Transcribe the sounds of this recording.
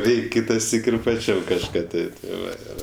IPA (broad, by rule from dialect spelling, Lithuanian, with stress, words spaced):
ˈrʲɛɪkʲ ˈkʲɪtɐˌsʲiːk ɪr pɐˈt͡ʃʲɛm kɐʃˈkɑː ˈtʲɪ tʲɪ ˈʋɐ ˈɪr